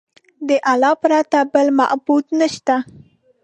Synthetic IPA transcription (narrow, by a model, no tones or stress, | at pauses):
d̪əʔalɑpɾɑt̪abəlma̰ʔbud̪naʃt̪a